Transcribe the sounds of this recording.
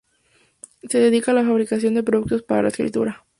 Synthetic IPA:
se̞ðe̞ðikalafaβ̞ɾikasjo̞nd̪e̞p̬ɾo̞ðuk̚t̪ospaɾa̰laeskɾḭt̪ṵɾa

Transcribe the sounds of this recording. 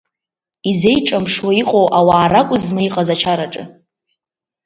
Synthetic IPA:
ize̞jʈ͡ʂʼamʂwaiqʼowʔawaːɾakʷʼʊzmaiqʼazat͡ʃʰaɾaʈ͡ʂʼɨ̰

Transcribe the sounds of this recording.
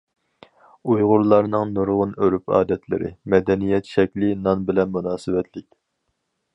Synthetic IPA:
ujʁʊɾlˠɑɾnɨŋnuɾʁʊnøɾypʰɑ̰ːd̪ɛt̪lɪ̰ɾɪ̰mɛd̪ɛnijɛt̪ʃɛkʲlɪnɑnbɪlɛnmunɑːsɨwɛt̪ʰlɪkʲ

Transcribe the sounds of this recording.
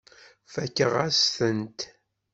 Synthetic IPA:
fækːəʁæsθənt̪

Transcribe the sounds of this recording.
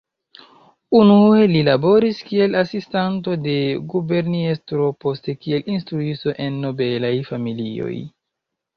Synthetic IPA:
unue̞lilabo̞ɾiskie̞lasistanto̞de̞ɡube̞ɾniestɾo̞po̞ste̞kie̞lʔinstɾuisto̞ʔe̞nːo̞be̞lajfamilio̞̰j

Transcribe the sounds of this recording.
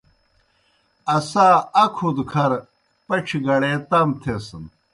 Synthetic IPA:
ɐsaːɐkʰud̪kʰɐɾ | pɐʈ͡ʂʰiɡɐɽet̪ɐmt̪ʰesɐn

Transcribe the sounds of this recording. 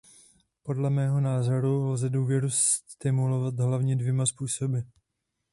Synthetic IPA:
po̞dlɛmɛːɦo̞naːzoɾulzɛduːvjɛɾust̪ɪmulovat̪ɦlavɲɛdvjɛmaspuːso̞bɪ

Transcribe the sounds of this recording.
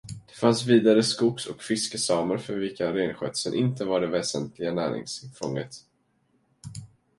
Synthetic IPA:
d̪̥ɛfansviːd̪aɾəskʊksɔkfɪskəsɑːməɾfœɾvɪlkaɾeːnɧœ̰ːt̪sənʔɪnt̪əvaɖɛvɛːsənt̪lɪɡanæ̰ːɾɪ̰ŋsfɔ̰ŋːət̪

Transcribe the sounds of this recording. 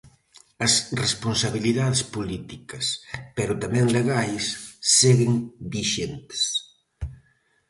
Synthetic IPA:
ɐsresponsaβiliðaðespolit̪ikɐspɛɾʊt̪amɛ̃ŋleɣajsːeɣeŋbiʃent̪e̥s

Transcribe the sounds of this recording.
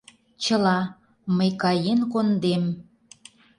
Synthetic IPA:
t͡ɕəlɑ | məjkɑjenkond̪em

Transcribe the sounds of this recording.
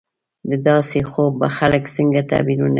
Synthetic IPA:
d̪əd̪ɑsexobːaxaləksəŋɡat̪a̰binuna

